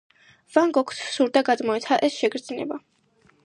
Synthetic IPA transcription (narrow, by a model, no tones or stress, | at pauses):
vaŋɡɔkʰt̪ʰsuɾd̪aɡad̪mɔɛt̪ʰaʔɛsʃɛɡɾd̪znɛ̰ba